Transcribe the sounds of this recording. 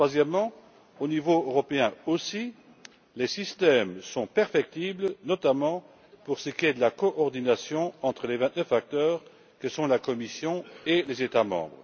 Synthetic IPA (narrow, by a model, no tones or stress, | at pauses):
t̪χwazjɛmːɑ̃ | onivoøʁɔpeɛ̃osi | lesist̪ɛmsɔ̃pɛʁfɛk̚t̪iblnɔt̪amɑ̃ | puʁsəkʲiɛd̪əlakɔʔɔʁd̪inasjɔ̃ɑ̃t̪χəlevɛ̃t̪nəfak̚t̪œːʁ | kəsɔ̃lakɔmisjɔ̃elezet̪amɑ̰̃bʁə